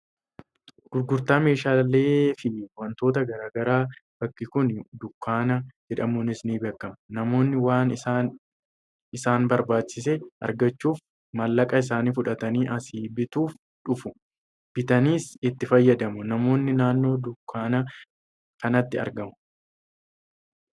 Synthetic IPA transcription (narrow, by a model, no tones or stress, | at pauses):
ɡ̥ʊɾɡʊɾt̪aːme̞ːʃaːlːe̞ːfɪwɐnt̪o̞ːt̪ɐɡɐɾaːɡɐɾaːb̥ɐkːɪkʊnd̪ʊkːaːnɐd͡ʒɛᶑɐmʊnɪsniːbeːkːɐmnɐmo̞ːnːɪwaːnɪsaːn | ɪsaːnbɐɾbaːt͡ʃːɪs̬ɛʔɐ̰ɾɡɐt͡ʃːuːf | mɐlːɐkʼɐɪs̬aːniːfʊᶑɐt̪ɐniːʔɐsiːbɪt̪uːf | ᶑʊfʊ | b̥ɪt̪ɐniːsɪt̪ːɪfɐjːɐd̪ɐmʊnɐmo̞ːnːɪnaːnːo̞ːd̪ʊkʰːaːnɐ | kɐnɐt̪ːɪɐ̰ɾɡɐmʊ